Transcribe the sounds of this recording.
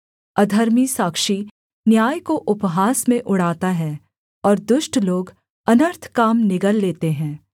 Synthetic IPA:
ɐd̪ʱəɾmisaːkʃi | njaːjkoʔʊpɦaːsmẽʔʊɽ̤aːt̪aɦɛ̃ː | ɔːɾd̪ʊʃʈloːɡ | ɐnəɾt̪ʰkaːmnɪɡəlːeːt̪eɦɛ̃ː

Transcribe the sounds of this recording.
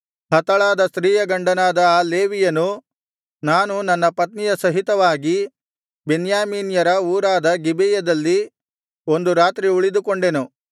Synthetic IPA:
hɐt̪ɐɭaːd̪ɐsɾiːjɐɡɐɳɖɐnaːd̪ɐːleːʋijɐnu | naːnunɐnːɐpɐt̪nijɐsɐɦit̪ɐʋaːɡi | benjaːmiːnjɐɾɐuːɾaːd̪ɐɡibɛjɐd̪ɐlːi | o̞nd̪uɾaːt̪ɾiuɭid̪uko̞ɳɖe̞nu

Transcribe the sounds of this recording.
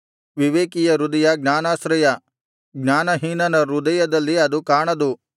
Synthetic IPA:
ʋiʋeːkijɐɾud̪ɐjɐɡnaːnaːsɾɐjɐ | ɡnaːnɐɦiːnɐnɐɾud̪ɐjɐd̪ɐlːiɐd̪ukaːɳɐd̪u

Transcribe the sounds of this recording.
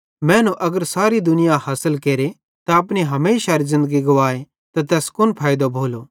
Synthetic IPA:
mɛ̃ːnũʔɐɡəɾsaːɾid̪ʊnɪjahaːsəlkeːɾe | t̪aɐpɽneɦɐmeːʃaɾizɪ̃nd̪əɡiɡoʋaːe | t̪at̪ɛːskʊnpʰaːjd̪obʱoːloː

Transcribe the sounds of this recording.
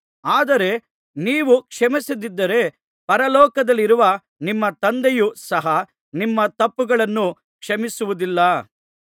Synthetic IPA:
aːd̪ɐɾe̞ | niːʋukʂɐmisid̪id̪ːɐɾe̞ | pɐɾɐlɔːkɐd̪ɐlːiɾuʋɐ | nimːɐt̪ɐnd̪ejusɐɦɐ | nimːɐt̪ɐpːuɡɐɭɐnːu | kʂɐmisuʋud̪ilːɐ

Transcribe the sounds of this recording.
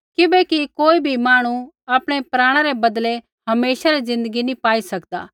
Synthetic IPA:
kɪbɛkikoːibʱimaːɽ̃u | aːpɽ̃epɾaːɽ̃aɾebɐd̪le | ɦɐmeːʃaɾizɪ̃nd̪əɡinĩpaːisɐkd̪a̰ː

